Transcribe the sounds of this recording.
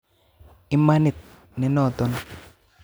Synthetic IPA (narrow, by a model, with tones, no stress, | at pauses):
ɪ˦ma˦nɪ˨t̪̚ | nɛ˨nɔ˦˨t̪ɔ˦n